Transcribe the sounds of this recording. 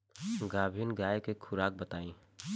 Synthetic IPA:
ɡaːbʱiːnɡaːekekʰʊɾaːk̚bət̪aːĩ

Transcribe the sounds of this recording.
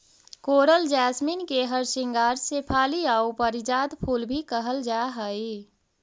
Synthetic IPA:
koːɾəld͡ʒɛːsminkeɦəɾsɪ̃ŋɡaːɾseːpʰaːliaːupəɾɪd͡ʒaːd̪pʰuːlbʱikəɦəld͡ʒaːɦəi

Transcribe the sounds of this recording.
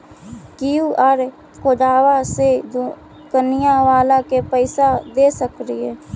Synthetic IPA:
kijuʔəɾ | kod̪aːwased̪ | kənɪjaʋaːlakepəɪsad̪eːsəkɾiɦɛː

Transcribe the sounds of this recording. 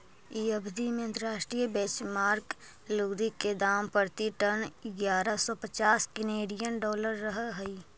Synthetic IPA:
iːəbʱd̪imeə̃nt̪ɾəɾaːʃʈɾijbɛt͡ʃmaːɾk | luːd̪ikːed̪aːmpəɾt̪iʈənɪɡjaːɾəsɔpət͡ʃaːskɪneːɖijənɖɔːləɾːəɦɦəiː

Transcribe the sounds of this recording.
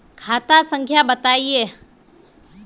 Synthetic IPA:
kʰaːt̪asə̃ŋkʰjabət̪aie

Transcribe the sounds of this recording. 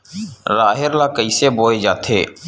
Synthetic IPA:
ɾaːɦɪɾlakəiseboːed͡ʒa̰ːt̪ʰḛː

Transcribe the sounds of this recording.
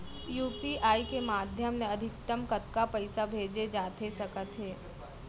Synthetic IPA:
juːpiʔaːikemaːd̪ʱjəmneɐd̪ʱɪk̚t̪əmkət̪kapəɪsabʱeːd͡ʒed͡ʒaːt̪esɐkət̪ɦeː

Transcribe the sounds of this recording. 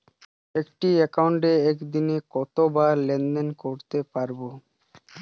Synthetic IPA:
ekʈiɛkauɳʈeɛkd̪inekɔt̪obalend̪enkoɾt̪epaɾbo

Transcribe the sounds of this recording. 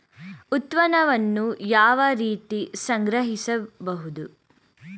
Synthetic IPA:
ut̪ʋɐnɐʋɐnːujaːʋɐɾiːt̪isɐŋɡɾɐɦisɐbɐɦud̪u

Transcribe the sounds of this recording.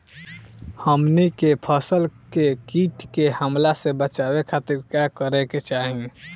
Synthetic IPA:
həmnikepʰəsəlkekiʈkehəmlasebət͡ʃabekʰat̪iɾkakəɾɛket͡ʃaɦĩ

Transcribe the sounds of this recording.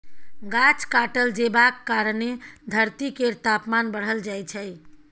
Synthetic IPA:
ɡat͡ʃkaʈəld͡ʒebakːaɾəned̪ʱəɾt̪ikeɾt̪apmanbəɽ̤əld͡ʒajt͡ʃʰəj

